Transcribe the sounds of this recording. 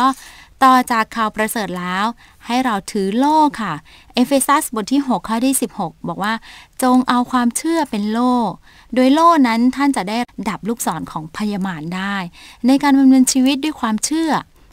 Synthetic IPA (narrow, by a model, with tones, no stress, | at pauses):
ɔː˥˩t̪ɔː˨˩t͡ɕaː˨˩kʰːaː˨˩wpɾa˧sɤː˨˩t̪̚lɛː˦˥w | ha˥˩jɾa˧wt̪ʰɯː˩˦loː˥˩kʰa˥˩ | ʔe˦˧˥fe˧sa˦˥sbo˧nt̪ʰiː˥˩ɦo˨˩kʰːaː˥˩dʰiː˥˩si˨˩p̚ho˨˩k̚bɔː˨˩k̚waː˥˩t͡ɕo˧ŋʔa˧wkʰwaː˧mt͡ɕʰɯ˥˩ɐpe˧nloː˥˩ | do˧əjloː˥˩na˦˥nt̪ʰa˥˩nt͡ɕa˨˩da˥˩jda˨˩p̚luː˥˩k̚sɔː˩˦nkʰɔː˩˦ŋpʰa˧ja˧maː˧ndaː˥˩jna˧jkaː˧nba˧mnɤː˧nt͡ɕʰiː˧wi˦˥t̪̚du˥˩jkʰwaː˧mt͡ɕʰɯ˥˩ɐ